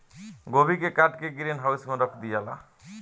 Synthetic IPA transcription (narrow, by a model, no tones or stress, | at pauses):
ɡobʱikekaʈkeɡiɾenɦawsmuɾɔkʰd̪ijala̰